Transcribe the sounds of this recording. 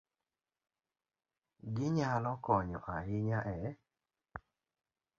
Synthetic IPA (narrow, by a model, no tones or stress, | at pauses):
ɡɪɲalɔkɔɲɔ̰ʔaɦɪɲaʔɛ